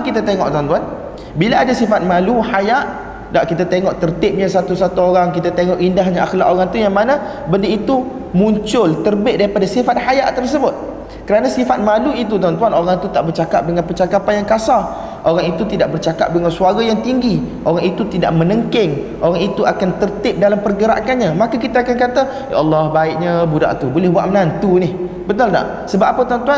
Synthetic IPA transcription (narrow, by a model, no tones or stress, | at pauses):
kit̪at̪eŋɔ̰ʔt̪uwant̪uan | bilaadasifat̪̚mãluhajaʔ | daʔkit̪at̪eŋɔʔt̪ərt̪ɪp̚ɲasat̪usat̪uoɾaŋkit̪at̪eŋɔʔindaɦɲaʔaxlaʔoɾaŋt̪ujaŋmanã | bəndiit̪u | mũɲt͡ʃʊlt̪ərbɪʔ̪̚daɾipadasifat̪̚hajaʔt̪ərs̬əbʊt̪̚ | kəɾanasifat̪̚mãluit̪ut̪uant̪uanoɾaŋt̪ut̪aʔbərt͡ʃakap̚dəŋanpət͡ʃakapanjaŋkasa | ʔoɾaŋit̪ut̪idaʔbərt͡ʃaka̰p̚dəŋansuaɡajaŋt̪iŋɡiʔoɾaŋit̪ut̪idaʔ̚mə̃nəŋkɪŋ | ʔoɾaŋit̪uakant̪ərt̪ɪp̚dalampərɡəɾa̰ʔkanɲãmakakit̪aːkankat̪a | jaʔɑlːɔhbaɪʔɲabuda̰ʔt̪ubolɛhbuwaʔ̪̚mənant̪unɪh | bət̪ʊlda̰ʔ | səbap̚apat̪oant̪ua